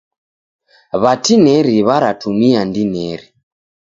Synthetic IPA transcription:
βatinɛɾiβaɾatʰumiandinɛɾi

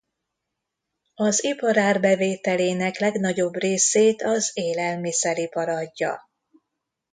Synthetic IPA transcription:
ɒzipɒɾaːrbɛveːt̪ɛleːnɛklɛɡnɒɟo̞breːseːt̪ɒzeːlɛlmisɛɾipɒɾɒɟːɒ̰

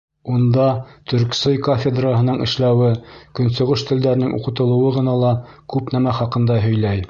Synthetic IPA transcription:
und̪ɑt̪ʰɵ̆ɾksɤjkofʲed̪raɦɤ̆nɤɴɘ̰̆ʃlæwɘkɵ̆nsŏʁɤʃt̪ɘ̆ld̪æɾɘ̆nɘŋʔṵqɤ̆t̪ɤ̆lˠɤ̆wɤʁɤ̆nɑlˠɑ | kʉpnæmæχɑqɤ̆nd̪ɑɦɵ̆jlæj

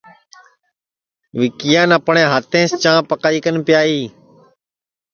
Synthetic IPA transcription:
ʋɪkɪjãːnəpɳẽːɦaːt̪ʰẽːst͡ʃãːpəkaːiːkənpɪjaːiː

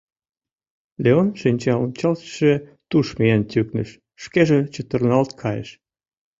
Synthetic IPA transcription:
leonʃinʲt͡ɕɑont͡ɕɑlt̪ʃet̪uʃmiænt̪ʲyknə̰ʃː | keʒĕt͡ɕət̪ə̆rnɑlt̪̚kʰɑjḛʃ

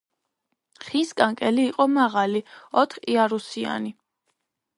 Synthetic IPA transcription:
χiskʼaŋkʼɛliːqʼɔmaʁaliɔt̪ʰχiaɾusia̰ni

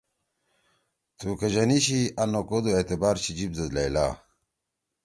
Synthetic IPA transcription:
t̪uːkɐd͡ʑɐniɕiɐnokod̪uet̪ebaːɾɕid͡ʑib̚d̪ɐzlajla̰ː

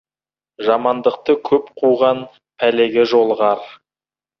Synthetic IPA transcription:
ʒɑmɑnd̪əq̚t̪əkʲʰɵpqʰuʁɑn | pʰæle̞ɡʲeʒo̞lˠʁɑɾ

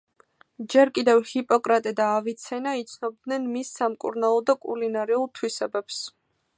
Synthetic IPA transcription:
d͡ʒɛɾkʼid̪ɛvhipʼɔkʼɾat̪ʼɛd̪aːvit̪sʰɛnait̪sʰnɔb̚d̪nɛnmisːamkʼṵɾnalˠɔd̪akʼṵlinaɾɛulˠt̪ʰwisɛbɛps

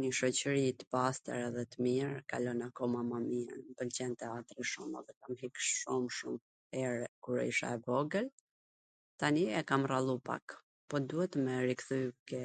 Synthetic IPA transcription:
ɲəʃɔt͡ɕəɾit̪ə̥past̪ɛ̰ɾɛðɛt̪əmiɾkalɔnakɔmamaminpəlt͡ɕɛnt̪ɛat̪ɾiʃumɛ̰ðɛkamɦikʃumʃum | ɛɾkuɾɛiʃa̰ɛvɔɡəl | t̪aniɛkamralˠupa̰k | pɔd̪uhɛt̪mɛɾikθykɛ

